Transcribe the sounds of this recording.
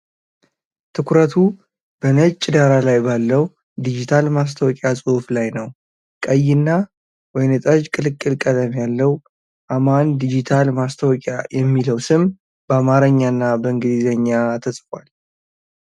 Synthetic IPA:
t̪ʰɨkʷʰɾət̪ʰu | b̥ənət͡ʃt͡ʃʼːɪd̪aɾalajbalːəw | d̪id͡ʒit̪ʰalmas̬t̪ʰəwɔkʼjasʼohflajnəw | kʼəjːɪnːa | wɔjnɨt̪ʼəd͡ʒkʼɨlɨkʼːɨlkʼːələmjalːəw | ʔamand̪id͡ʒit̪ʰalmast̪ʰəwɔkʼajɛmːiləwsɨm | b̥əamaɾəɲːanːabəɨŋɡɨd̪izəɲːat̪ʰəsʼfwal

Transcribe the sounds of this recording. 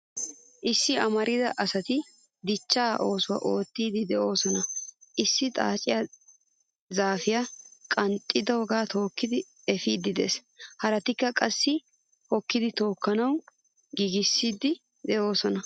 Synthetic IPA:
ʔɪsːɪɐmɐɾɪd̪ɐʔɐsɐt̪ɪ | d̪ɪt͡ʃːaːʔo̞ːsʊwa̰ʔo̞ːt̪ːiːd̪ɪd̪ɛʔo̞ːsɔnɐʔɪsːɪt̪ʼa̰ːt͡ʃʼɪjɐ | zaːfɪjakʼɐnt̪ʼːɪd̪ɐwɔɡaːt̪o̞ːkːɪd̪ɪ | ɛfiːd̪ːɪd̪ḛːs | hɐɾɐt̪ɪkːɐkʼɐsːɪ | hɔkːɪd̪ɪt̪o̞ːkːɐnɐw | ɡiɡɪsːiːd̪ɪ | d̪ɛʔo̞ːsɔnɐ

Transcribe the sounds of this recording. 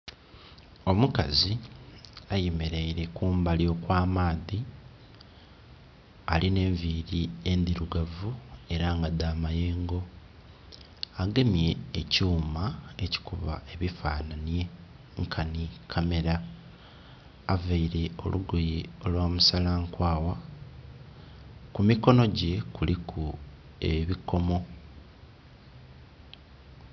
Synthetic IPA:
o̞muka̰zi | ajemeɾe̞iɾe̞kuːmbaljo̞ːkwaːmaːði | alʔine̞ːɱviːɾie̞nd̪iɾuɡavue̞ɾaŋɡad̪aːmaje̞ːŋɡo̞ | aɡe̞mje̞ːcuːmaeci̥kuβa̰e̞βifa̰ːnanje̞ | ŋkʰanikʰame̞ɾa | vaiɾe̞o̞̰lʔuɡojio̞lwaːmusalaːŋkwaːwa | kumiko̞no̞ɟe̞kulikʰu | eβiko̞mo̞

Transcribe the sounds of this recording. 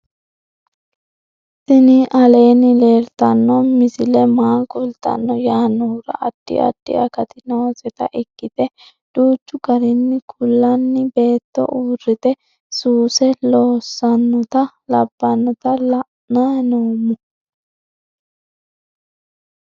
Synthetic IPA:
sɪnɪʔɐle̞ːnːɪleːɾt̪ɐnːɔmɪsɪlɛmaːkʼʊlt̪ɐ̰nːɔjaːnuːɾɐ̰ʔɐd̪̥ːɪ̰ʔɐ̰d̪̥ːɪ̰ʔɐ̰kɐt̪ɪnɔwɔsɛt̪ɐ̰ʔɪkːɪt̪ɛ | d̥uːt͡ʃːʊɡɐɾɛnːɪkʰʊlːɐnːɪbe̞ːt̪ːɔ̰ʔuːrːɪt̪ɛ | suːsɛloːsːɐnːɔt̪ɐ | lɐbːɐnːɔt̪ɐlɐʔ | nanuːmʊ

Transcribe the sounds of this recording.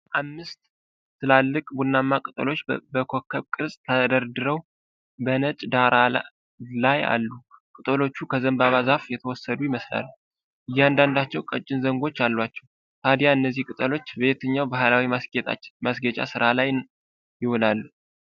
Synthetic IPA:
ʔamːɨst̪ | sɨlalːɨkʼbunːamːakʼɨt̪ʼə̰lo̞t͡ʃːbəkʰo̞kʰːəβkʼɨɾsʼt̪ʰəd̪əɾd̪ɨɾəw | bənət͡ʃʼd̪aɾa | laja̰lːukʼɨt̪ʼəlo̞t͡ʃːukʰəzəmbaβazafjɛt̪ʰəwɔsːəd̪ujɪməsla̰lːu | ʔɨjːɛand̪and̪at͡ʃːɛwkʼət͡ʃʼːɪnzəŋɡo̞t͡ʃːalːwat͡ʃːɛw | t̪ʰad̪jaɨnːəzːihkʼɨt̪ʼəlo̞t͡ʃːbe̞t̪ʰəɲːawbahlawiet̪a̰masɡət͡ʃʼa̰sɨɾalaj | jɪhɔlalːu

